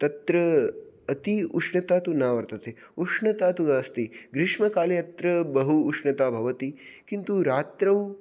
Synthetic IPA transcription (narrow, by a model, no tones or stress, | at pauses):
t̪ɐt̪ɾɐɐt̪iuʂɳɐt̪aːt̪unaːʋɐɾt̪ɐt̪ʰe | uʂɳɐt̪aːt̪uaːst̪iɡɾɪʃmɐkaːleɐt̪ɾɐbɐɦuːʂɳɐt̪aːbʱɐʋɐt̪ikint̪uɾaːt̪ɾɐw